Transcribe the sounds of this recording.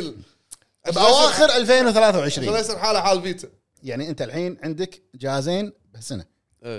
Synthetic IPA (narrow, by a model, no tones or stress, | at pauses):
l | ʔbʔawaːxɪɾʔalfeːnwθalaːθawʕɪʃɾiːleːsɑɾħaːlaħaːlfiːt̪a | jaʕniʔɪnt̪alħiːnʕɪnd̪ɪkd͡ʒaːhzeːn | bɪsɪna